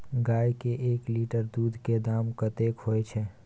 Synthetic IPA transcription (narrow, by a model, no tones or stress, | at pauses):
ɡaːjkeʔeːkliːʈəɾd̪uːd̪ʱked̪aːmkət̪eːkɦoːet͡ʃʰɛː